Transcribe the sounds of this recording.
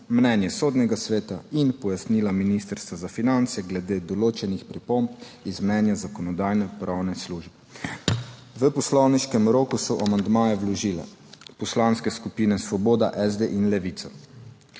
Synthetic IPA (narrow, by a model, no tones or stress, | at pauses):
mnɛnjɛsoːd̪nɛɡasʋeːt̪ainpɔjasnilaminist̪əɾst̪ʋazafinant̪sjɛɡlɛd̪eːd̪ɔloːt͡ʃɛnixpɾipompizmnɛnjazakɔnɔd̪ajnɛpɾʔawnɛsluːʒbɛ | ʋəpɔslɔwniʃkɛmɾoːkusɔʔamand̪maːjɛwlɔʒiːlɛ̰ | pɔslanskɛskupinɛsʋɔboːd̪aʔɛzd̪eʔinlɛʋit̪sɔ